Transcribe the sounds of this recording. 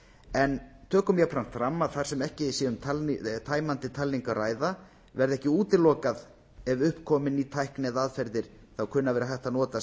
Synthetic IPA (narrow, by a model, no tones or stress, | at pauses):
ɛnt̪ʰœːkʏmjɛpʰɾam̥t̪fɾamːaðθaɾ̥sɛmɛhcɪsiːðʏmt̪ʰalt̪ʰaːjmant̪ɪt̪ʰalːiŋkaraːjða | vɛɾðɛhcɪuːt̪ɪlɔːkað | ɛvʏhpkʰɔːmɪnit̪ʰajhknɛðaðfɛɾðɪɾ̥ | θawkʰʏnːavɛːɾaθɛht̪anɔːt̪a